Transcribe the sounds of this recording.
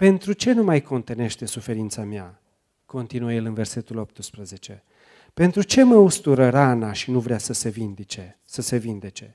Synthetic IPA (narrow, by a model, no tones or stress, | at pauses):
pe̞nt̪ɾut͡ʃe̞numajko̞nt̪ene̞ʃt̪e̞sufe̞ɾint̪samea | ko̞nt̪inuejelɨnve̞rse̞t̪ulo̞p̚t̪ɨspɾəze̞t͡ʃe̞ | pe̞nt̪ɾut͡ʃe̞məust̪uɾəɾanaʃinuvɾeasəsevind̪it͡ʃe | səse̞vind̪e̞t͡ʃe̞